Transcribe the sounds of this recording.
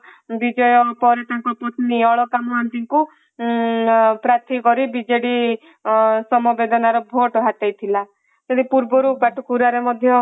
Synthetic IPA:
bid͡ʒɔjɔpɔɾet̪aŋkɔpɔt̪niɔɭɔkamɔɦant̪iŋku | pɾat̪ʰikɔɾibid͡ʒeɽi | sɔmɔbed̪ɔnaɾɔbʱoʈɦat̪ajt̪ʰila | t̪ɔd̪ipuɾbɔɾupaʈʰukuɾaɾemɔd̪ʱjɔ

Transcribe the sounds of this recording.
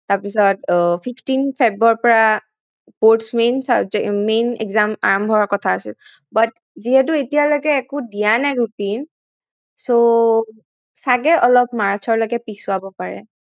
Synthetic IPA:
taɹpisɔtpʰipʰtinpʰabɹɔɹpɔɹa | poɹtsmensazɛmenɛ̰kzama̰ɹɔmbʱɔakɔtʰaːsil | bat | ziɦɛt̬ʊetijalojkɛːkʊdijanajɹutin | so | saɡɛʔɔlɔpmaɹt͡ʃʰɔɹlojɡɛpisʊabɔpaɹɛ̰

